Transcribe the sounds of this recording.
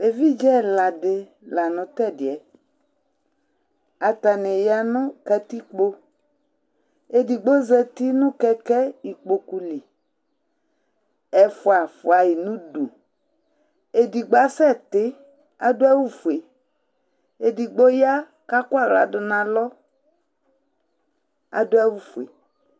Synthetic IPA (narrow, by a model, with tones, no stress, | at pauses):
e˨vi˦d͡ʒɛ˦la˨dɪ˨ | la˨nʊ̃˨t̪ɛ˦˨dɪ˨ɛ˨ | a˨t̪a˨nɪ˨ja˨nʊ̃˦ka˧t̪i˦k͡po˦ | e˦di˨ɡ͡bo˦zɛ˦t̪i˦nʊ̃˦kɛ˦kɛ˦i˨k͡po˨ku˦li˨ | ɛ˨fʊ˨a˨fʊ˨a˨ji˨nũ˦du˨ | e˨di˨ɡ͡ba˦sɛ˦˨tɪ˦ | a̰˨dʊ˦a˦wu˦fu˨e˨ | e˨di˨ɡ͡bo˦ja˦ | ka˦kʊ˦a˦˨la̰˨dʊ˨nã˨lɔ˦ | a̰˨dʊ˦a˦wu˦fu˨ḛ˨